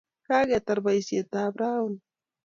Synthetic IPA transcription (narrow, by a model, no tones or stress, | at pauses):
kaɡet̪aɾbajsjet̪aːbɾaʊn